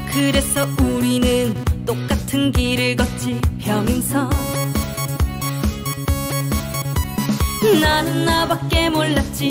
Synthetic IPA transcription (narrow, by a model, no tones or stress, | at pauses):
kɯɾe̞sʰʌuɾinɯnt͈ok̚k͈atʰɯnɡiɾɯɭɡʌt̚t͡ɕ͈ʰipjʌŋinsʰʌ | nanɯnːabak̚k͈e̞moɭːat̚t͡ɕ͈i